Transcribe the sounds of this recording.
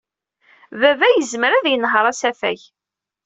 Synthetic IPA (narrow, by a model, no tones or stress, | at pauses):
vævæjəzməɾæðjənɦəɾˤæsæfæç